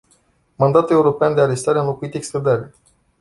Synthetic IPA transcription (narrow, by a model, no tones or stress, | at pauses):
mand̪at̪ule̞uɾo̞peand̪e̞aɾe̞st̪aɾeanlo̞kuit̪ekst̪ɾed̪aɾe